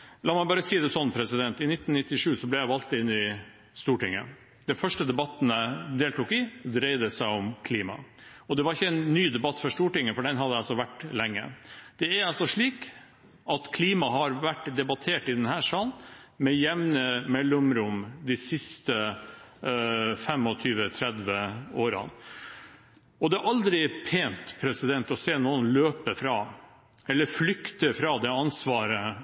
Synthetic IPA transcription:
lɑːmɑɪbɑːɾəsiːd̪ɛsɔnːpʰɾɛsɪd̪ɛnt̪ɪnɪt̪ːnnɪt̪ːɪʂʉːsɔblɛjæɪʋɑlt̪ːɪɪnːɪ | st̪uːʈɪŋːə̰ | d̪̥ɛnfœʂʈəd̪ɛbɑt̪ːn̩æɪd̪eːlt̪uːkɪd̪ɾeɪd̪əsæɪɔmkʰliːmɑ̰ɔd̪ɛʋɑɾɪçːəɛnːyːd̪ɛbɑt̪ːfɔʂt̪uːʈɪŋːəfɔɖɛnɦɑd̪əæɑsɔʋæʈːlɛŋːə̰d̪̥ɛæɾɑlsɔʂɭiːk | ʔɑt̪kʰliːmɑɦɑɾʋæʈːd̪ɛbɑt̪ʰeːʈɪd̪ɛnhæːʂɑln | mɛjɛmnəmɛlːʊmɾʊmd̪ɪsɪst̪ə | fɛmɔt̪ʰyːʋət̪ʰɾɛd̪ʋəoːɾɑ̰n | ɔd̪ɛæʔɑld̪ɾɪpʰeːnt̪pʰɾɛsɪd̪ɛnt̪ɔseːnuːənløːpəfɾɑ | ɛlːəɾflʏkt̪əfɾɑd̪ɛɑnsʋɑːɾə

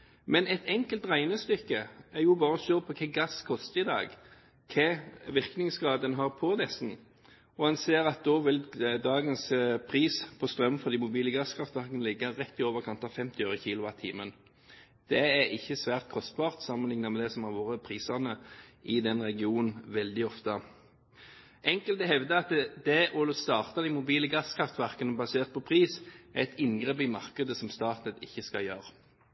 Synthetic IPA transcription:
mɛnɛt̪ʰɛŋkəlt̪ʁæɪnəst̪ʏkːəæɾjʊbɑːɾəɔʃøːpʰɔkʰɛːɡɑskʰɔst̪əɪd̪ɑ̰ːɡ | kʰɛːʋɪʁknɪŋsɡʁɑːd̪ənɦɑːʁpʰɔd̪ɛsn̩ | ɔhɑnseːɾɑt̪̚d̪oːʋɪld̪ɑːɡənspʰʁiːspʰɔst̪ɾœmnfɔʁd̪iːmʊbiːləɡɑskʰɾɑft̪ʋæʁkənəlɪɡːɑɾɛt̪ːɪoːʋəʁkʰɑnt̪ɑfɛmt̪ɪøːɾəçiːlʊɑt̪ʰiːmən | d̪̥ɛæɾɪçːəsʋæːʁt̪̚kʰɔst̪̚bɑːʁt̪sɑmənlɪŋnɑmɛd̪ɛsɔmhɑːʁʋoːɾəpʰʁiːsəʁnəʔɪd̪ɛnʁɛɡɪuːnn̩ʋɛld̪ɪɔft̪ə | ʔɛŋkəlt̪əɦɛʋd̪əɑt̪d̪ɛʔolst̪ɑːʁt̪ɑd̪ɪmʊbiːləɡɑskʰɾɑft̪ʋæʁkənəbɑseːʁt̪̚pʰɔpʰʁiːsæɛt̪ʰɪnɡʁeːp̬ɪmɑʁkəd̪əsɔmst̪ɑːt̪nət̪ɪçːəskɑ̰jøːʁə

